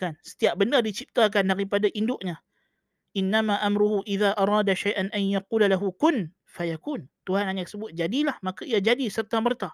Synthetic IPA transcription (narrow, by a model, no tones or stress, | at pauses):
kansə̥t̪iaʔ̚bənərdit͡ʃip̚t̪ak̬andaɾipadaʔindʊʔɲa | ʔɪnːamaʔamɾʊhuʔiðaʔaɾˤɑːdaʃajʔanʔanjaquːlalaɦukʊn | fajakuːnt̪uhanhaɲaksəbʊt̪̚d͡ʒadilahmakaiad͡ʒadisərt̪amərt̪a